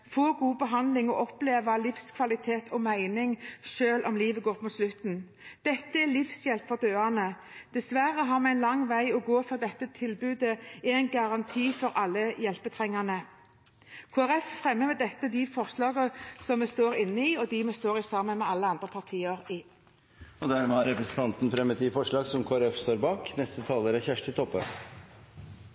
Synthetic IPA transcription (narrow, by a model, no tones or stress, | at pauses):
foːɡuːbəɦɑnd̪lɪŋɔʔɔpleːʋəlɪfskʰʋɑlɪt̪ʰeːt̪ʰɔmæɪnɪŋʃøːlʔɔmliːʋəɡoːʁp̪muːt̪slʉt̪n̩ | d̪̥ɛt̪ːəælɪfsjɛlpfɔʁd̪øːɑnə | d̪̥ɛsʋæɾəɦɑːɾmɛɪnlɑŋʋæɪɔɡoːfɔd̪ɛt̪ːət̪ʰɪlbʉːd̪əææɪnɡɑʁɑnt̪ʰiːfɔɾʔɑlːəjɛlpət̪ʰʁɛŋːənə | kʰoːæɾɛffʁɛmːəmɛːd̪ɛt̪ːəd̪ɪfɔʁslɑːɡəsɔmɛst̪oːɾɪnːəiːɔd̪ɪmɛst̪oːʁɪsɑːmənmɛːɑlːəɑnd̪ʁəpʰɑʁt̪ʰiːəʁɪ | ɔd̪æɾmɛhɑɾɛpɾɛsən̩t̪ɑnt̪n̩fɾɛmːət̪ifɔʂɭɑːɡsɔmkʰoːæɾɛfst̪oːɾbɑːknɛst̪ət̪ʰɑːləɾəçæʂʈ̪ɪt̪ʰɔpːə̰